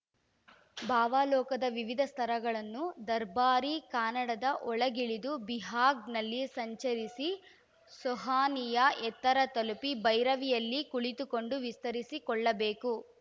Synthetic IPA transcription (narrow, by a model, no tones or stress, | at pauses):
bʱaːʋaːlɔːkɐd̪ɐʋiʋid̪ʱɐst̪ʰɐɾɐɡɐɭɐnːud̪ɐɾbaːɾikaːnɐɽɐd̪ɐʔɔɭɐɡiɭid̪ubiɦaːɡnɐlːisɐɲt͡ʃɐɾisi | sɔɦaːnijɐɛt̪ːɐɾɐt̪ɐlupibɐjɾɐʋijɐlːikuɭit̪uko̞ɳɖuʋist̪ɐɾisikɔɭːɐbeːku